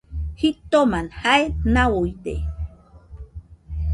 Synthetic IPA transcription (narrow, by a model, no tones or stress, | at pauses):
hit̪omanhaenawojdḛ